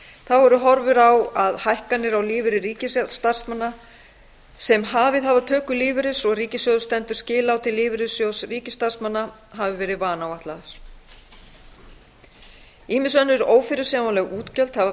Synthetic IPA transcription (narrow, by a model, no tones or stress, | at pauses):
θawɛɾʏɦɔɾvʏɾawaðhajhkanːɪɾawlɪːvɪɾɪriːcɪst̪aɾ̥smanːa | sɛmɦavɪðɦavat̪ʰœːkʏlɪːvɪɾɪsɔɣriːcɪsjowðst̪ɛnt̪ʏɾ̥scɪːlawt̪ʰɪlːɪːvɪɾɪsjowsriːcɪst̪aɾ̥smanːa | ɦavɪvɛːɾɪvaːnawaht̪laɪs | iːmɪsœnːɪɾoːwfɪɾɪ̥saːmanlɛɣuːt̪cœlt̪hav